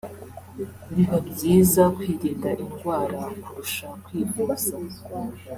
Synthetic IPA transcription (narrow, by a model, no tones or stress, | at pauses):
diɦomziːzakwiːɾiːndaʔiŋɡwaːɾakuɾuʃakwiːɡuːsa